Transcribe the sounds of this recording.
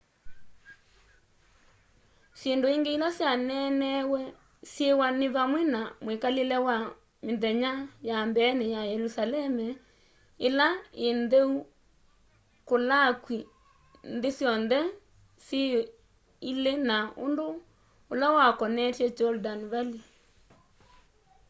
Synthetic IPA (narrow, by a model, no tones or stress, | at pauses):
sjendoiŋɡeilasjanɛnɛwɛ | sjewaneβamwɛnamwekalelɛwa | menðɛɲajambɛnejajɛɾusalɛmɛ | elaenðeu | kolakwi | nðesjɔnðɛ | sje | ilenao̰ndoː | lawakɔnɛtjɛd͡ʒɔldanβali